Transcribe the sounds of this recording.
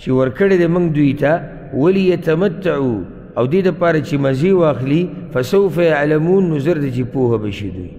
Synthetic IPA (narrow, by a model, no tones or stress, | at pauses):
t͡ʃewəɾkəɽed̪emuŋɡd̪ujt̪a | walijat̪amat̪ːaʕu | awd̪ed̪əpɑɾat͡ʃemazewɑːxlifasawfajaʕlamunːʊzəɾt̪at͡ʃepohabaʃḭd̪ṵj